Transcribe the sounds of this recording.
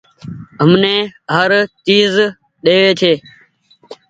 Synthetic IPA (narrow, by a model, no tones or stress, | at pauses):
ɦəmnẽːɦəɾt͡ʃiːz | ɗeːʋeːt͡ʃ̪ʰeː